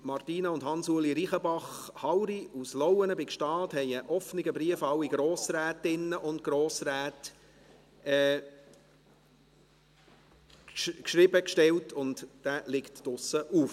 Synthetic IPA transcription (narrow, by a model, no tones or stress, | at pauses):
mɑrtiːnɑʊndhɑnsuəliɾiχəbɑχ | hɑwɾiuslɔwənəbɪkʃtɑːthɛɪəʔɔfnɪɡəbɾiəfɑwiɡ̥ɾoːsræːtɪnəʔʊntɡ̥ɾoːsɾæːt | ɛ | kʃɾɪbəkʃtɛwtʰʊntd̥æːlɪktd̥ʊsəʔuːf